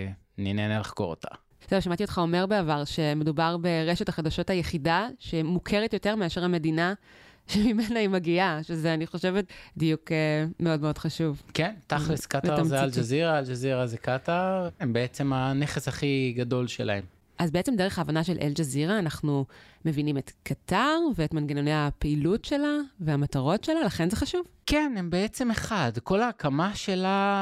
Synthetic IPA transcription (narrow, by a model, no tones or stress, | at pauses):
ninenelaχko̰ʁo̰t̪a̰ | sevʃamat̪io̞t̪χao̞me̞ʁbeavaʁʃeme̞dubaʁbe̞ʁeʃe̞taχadaʃo̞thajeχidaʃemukʰeʁetjo̞te̞ʁmeaʃeʁhame̞dina | ʃemimenaimaɡiaʃezeaniχo̞ʃevetdijukemeo̞dmeo̞d̥χaʃuvkent̪aχliskatvamzeald͡ʒaziʁaeld͡ʒaziʁazekataembeet͡semaneχeshaχiɡado̞lʃela̰em | ʔazbeet͡semdeeχaːvanaʃe̞lʔḛld͡ʒaziʁaːnaχnume̞vinimetkataʁveetmanɡenonejapeilutʃe̞laveamataʁo̞tʃe̞lalaχe̞nze̞χaʃuvkenembeet͡semeχadko̞laːkamaʃe̞la